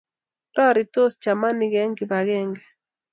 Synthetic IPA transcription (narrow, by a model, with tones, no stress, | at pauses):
tɔ˦ɾɪ˨t̪o˦st͡ʃa˨ma˦nɪ˨ɡɛ˦ŋɡɪ˨ba˨ɣɛ˦ŋɡɛ˨